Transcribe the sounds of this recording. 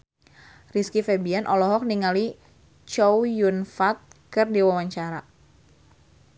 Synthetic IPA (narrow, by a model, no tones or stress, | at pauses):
riskifɛbianʔɔlɔɦɔk̚niŋali | t͡ʃɔwjunfat̪̚kɨrdiwawaɲt͡ʃaɾa